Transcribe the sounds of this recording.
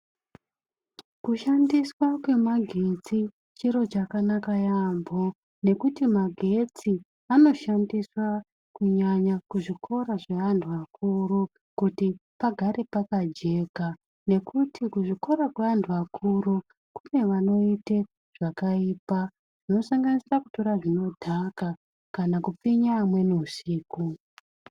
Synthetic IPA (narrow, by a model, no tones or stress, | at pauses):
kuʃandiswakwe̞maɡʱe̞t͡si | t͡ʃiɾo̞t͡ʃakanakajambʱo | ne̞kutimaɡʱe̞t͡si | ano̞ʃandiswa | kuɲaɲakuʐikʰo̞ɾaʐeanduakʰuru | kutipaɡʱaɾe̞pakad͡ʒe̞ka | ne̞kutʰikuʐiko̞ɾakweandʰuakʰuɾu | kune̞ʋano̞ite | ʐ̥akaiːpa | ʐ̥ino̞saŋɡanisiraku̥to̞ɾaʐino̞dʱaka | kanakup͡fiɲaːmwe̞nuusiːku